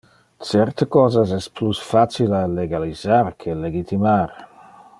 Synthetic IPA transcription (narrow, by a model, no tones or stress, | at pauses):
t͡ʃɛrt̪əkɔːzas̬ɛsplusfat͡ʃilaleɡalizarkʰeleɡit̪ʰimaɾ